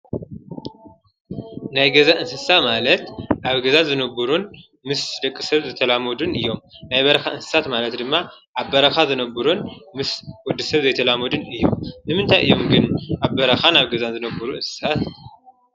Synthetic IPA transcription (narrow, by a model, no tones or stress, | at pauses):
najɡɐzaʔɨnsɨsamalɐt̪ʔaβɡɐzazɨnɐbɨɾun | mɨsd̪ɐkʼːisɐβzɨt̪ʰɐlamɐd̪unɨjːo̞mnajbɐɾɐxaʔɨnsɨ̥sat̪malɐt̪d̪ɨmːaʔaβːɐɾɐxazɨnɐbɨɾunmɨswɔd̪ːɨsɐβzɐjt̪ʰɐlamɐd̪unɨjːo̞̰mːɨmɨnt̪ʰajʔɨ̰jːo̞mɡɨnʔaβbɐɾɐxanaβɡɐzanzɨnɐbɐɾuʔɨnsɨ̥sat̪